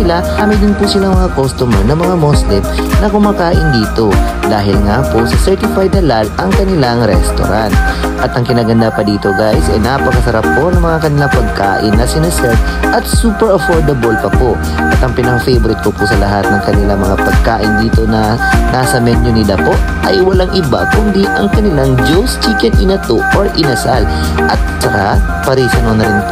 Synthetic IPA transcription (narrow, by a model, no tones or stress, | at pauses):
ɪla | amɪjd̪ɪnpʊsɪlamɐŋakost̪ʊmɛɹnɐŋmɐŋamoslɪm | nɐkʊmaːkaːʔɪnd̪iːt̪o̞ | d̪aːɦɪlŋaposɐsɛɹt̪ɪfajd̪ɐlalʔɐŋkɐnɪlaŋɾɛ̰st̪o̰ɾant̪̚ʔɐt̪ɐŋkɪnaːɡɐnd̪apɐd̪iːt̪oɡajsɐjnaːpːɐkɐsɐɾapːo̞nɐŋmɐŋakɐnɪlaŋpɐɡ̚ka̰ːʔɪnːɐsɪnɛsɛt̪ʔɐt̪̚suːpɛɹɐfoɹd̪ɐbolpɐpo̞ʔ | ʔɐt̪ɐŋpɪnɐŋfejboɾɪt̪̚kopʊsɐlɐɦat̪̚nɐŋkɐnɪlaŋmɐŋapɐɡ̚kaːʔɪnd̪iːt̪o̞nɐnaːsɐmɛnʊnɪlapo̞ʔʔɐjwɐlaŋʔɪba̰kʊnd̪iʔɐŋkɐnɪlaŋd͡ʒowst͡ʃikɛnʔɪnɐt̪oʔoɹʔɪnɐsal | ʔɐt̪̚t͡ʃɐka | pɐɾiːsɐnonɐɾɪnp